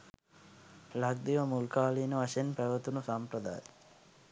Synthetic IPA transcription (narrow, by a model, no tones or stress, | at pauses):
laɡ̚d̪iʋəmulkaːliːnəʋaʃenpæʋət̪unusampɾəd̪a̰ːje